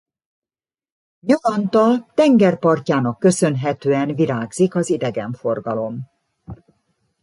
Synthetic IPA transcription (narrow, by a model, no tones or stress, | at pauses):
ɲɒlɒnt̪ɒlt̪ɛŋɡɛrpɒrcaːnɒkːø̞sø̞nɦɛt̪øːɛnviɾaːɡzikɒzid̪ɛɡɛɱfo̞rɡɒlo̞m